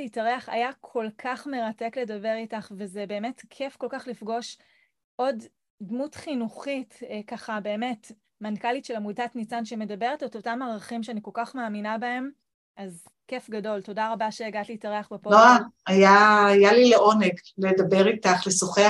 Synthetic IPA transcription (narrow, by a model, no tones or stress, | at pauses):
itaʁeaχa̰jakʰo̞lkʰaχme̞ʁate̞kle̞dabe̞ʁitaχve̞zebe̞ːme̞tkʰe̞fko̞lkaχlifɡo̞ʃ | ʔo̞d | dmutχinuχitkaχabe̞ːme̞t | mankalitʃelamudatnit͡sanʃeme̞dabeʁetetotamaʁaχimʃeaniko̞lkaχmaːminabae̞m | ʔaz | ke̞fɡado̞lto̞daʁabaʃeːɡatliːtaʁeaχbepoloajaːjalileʔo̞neɡledabeʁitaχlesoχe